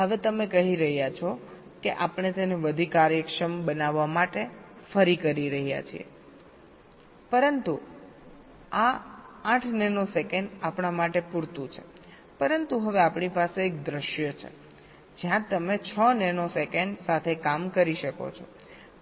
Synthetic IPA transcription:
ɦəʋet̪əmekəɦiɾəɦjat͡ʃʰɔ | keʔapəɳet̪eneʋəd̪ʱikaɾjəkʃəmbənaʋːamaʈefəɾikəɾiɾəɦija̰t͡ʃʰḭḛ | pəɾənt̪u | aãʈʰnɛnosekeɳɖapɳamaʈepuɾt̪ũt͡ʃʰe̥ | pəɾənt̪uɦəʋeapɳipaseːk̚d̪ɾəʃjət͡ʃʰḛ | d͡ʒjãt̪əmet͡ʃʰənɛnosekeɳɖsat̪ʰekamkəɾiʃəko̰t͡ʃʰo

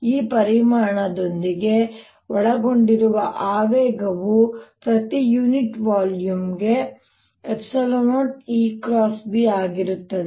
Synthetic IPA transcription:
iːpɐɾimaːɳɐd̪o̞nd̪iɡe̞ | ɔɭɐɡo̞ɳɖiɾuʋɐʔaːʋɛːɡɐʋupɾɐt̪ijuːniʈʋaːljumɡe̞ | epsɐlomɐɳʈiːkɾaːsbiaːɡiɾut̪ːɐd̪e

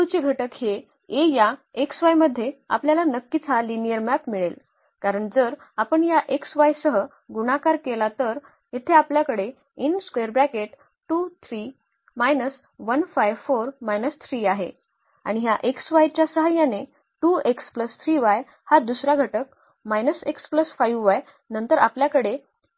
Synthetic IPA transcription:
t̪ut͡ɕiɡʱəʈəkɦe | ejaeksʋajməd̪ʱːjea̰pljalanəkːit͡sʰalinijəɾmæpmiɭel | kaɾəɳd͡zəɾ | apəɳjaʔeksʋajsəɦə | ɡuɽ̃akaɾkelat̪əɾ | jet̪ʰeapljakəɽe | inskʋeɾbɾækeʈ | ʈut̪ʰɾi | majnəs | ʋənfajʋfoɾmajnəst̪ʰɾiːaɦḛ | a̰ɽ̃iɦjaʔeksʋajt͡ɕjasəɦajane | ʈuekspləst̪ʰɾiʋaj | had̪usɾaɡʱəʈək | majnəsekspləsfajʋʋaj | nənt̪əɾapljakəɽe

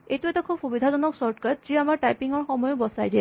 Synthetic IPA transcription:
etuɛtakʰub̚xubid̪ʱazɔnɔksɔɹtkatziamaɹʈajpiŋɔɹxɔmɔjʊbɔsajdɛ

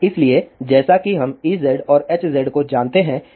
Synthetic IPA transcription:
ɪslied͡ʒɛːsakiɦɐmiːzɛɖɔːɾeːt͡ʃzɛɖkod͡ʒaːnt̪eɦɛ̃

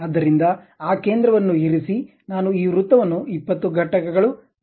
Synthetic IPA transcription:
ɐd̪ːɐɾind̪ɐ | aːke̞ːnd̪ɾɐʋɐnːuɦiɾisi | naːnuiːʋɾut̪ːɐʋɐnːuipːɐt̪ːuɡʱɐʈɐkɐɡɐɭu

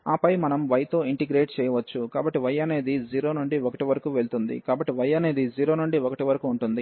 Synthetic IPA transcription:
aːpɐjmɐnɐmʋɐjɐt̪o̞ːiɳʈiɡɾeːʈt͡ʃɛːjɐʋɐt͡ʃːukaːbɐʈːiʋɐjːɐne̞ːd̪id͡ʒiːɾo̞ːnuɳɖiokɐʈiʋɐɾɐkuːʋe̞ɭt̪und̪ḭkaːbɐʈːiʋɐjːɐne̞ːd̪id͡ʒiːɾo̞ːnuɳɖiokɐʈiʋɐɾɐkuːɳʈund̪i

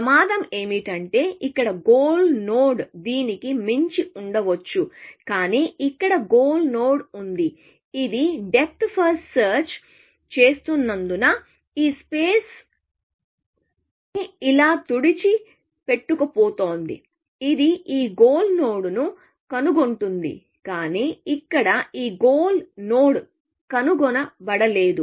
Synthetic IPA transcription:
pɐmaːd̪ɐme̞ːmiʈɐɳʈe̞ːʔikːɐɽɐɡoːlnoːɽd̪iːnikimeɲt͡ʃiuɳɖɐʋɐt͡ʃːukaːniːʔikːɐɽɐɡoːlnoːɽund̪i | id̪iɖe̞p̚ʰt̪pʰɐsʈsɐːɾt͡ʃ | t͡ʃe̞ːst̪unːɐnd̪unɐ | iːspeːs | niilaːt̪uɽit͡ʃi | pe̞ʈːukɐpoːt̪oːnd̪ḭ | id̪iiːɡoːlno̞ːɽunu | kɐnuɡoɳʈund̪ḭ | kaːniːikːɐɽɐiːɡoːlnoːɽ | kɐnuɡɔnɐbɐɽɐle̞ːd̪u

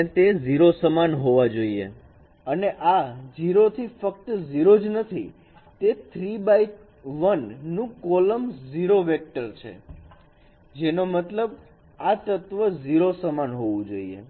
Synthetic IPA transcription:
t̪eziɾosəmanɦoʋad͡ʒoiḛ | əneʔaziɾot̪ʰifək̚t̪əziɾod͡ʒnət̪ʰḭ | t̪et̪ʰɾibai | ʋənːũkoləmziɾoʋek̚ʈəɾt͡ʃʰḛ | d͡ʒenomət̪ləb | at̪ət̪ʋəziɾosəmanɦoʋũd͡ʒoiḛ

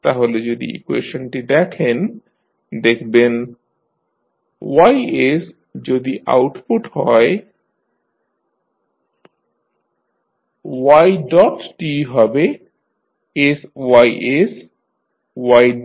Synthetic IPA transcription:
t̪aɦoled͡ʑod̪ḭʔḭkuḛʃonʈid̪ɛkʰen | d̪ekʰben | wajes | d͡ʑod̪iʔa̰wʈpuʈɦɔe | wajɖɔʈːiɦɔbe | eswajʔes | waj

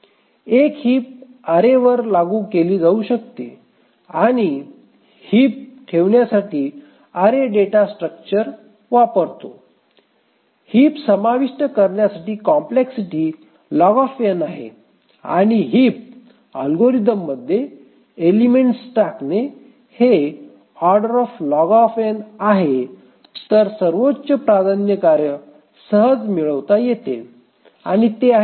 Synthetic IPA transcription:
ekhiːp̚ | əɾeʋəɾlaɡuːkeliːd͡zauɕək̚t̪ḛ | aɽ̃i | hiːp̚kʰeʋɳjasaʈiː | əɾeɖeʈasʈɾək̚t͡ɕəɾ | ʋapəɾt̪o̰ | hiːpsəmaʋiʂʈəkəɾɳjasaʈiːkɔmpleksiʈiː | lɔɡɔfenaɦḛ | a̰ɽ̃iɦip̚ | əlɡoɾid̪əmːəd̪ʱːjeː | limeɳʈsʈakne | he | ɔɾɖəɾɔflɔɡɔfenaɦe | t̪əɾsəɾʋotːt͡ɕəpɾad̪ʱanjəkaɾjə | səɦəd͡zmiɭəʋt̪ajet̪ḛ | a̰ɽ̃it̪ea

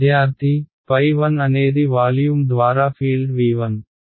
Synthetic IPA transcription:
jaːɾt̪ʰipɐjʋɐnɐneːd̪iʋaːljuːmd̪ʋaːɾaːpʰiːlɖʋiːʋɐn

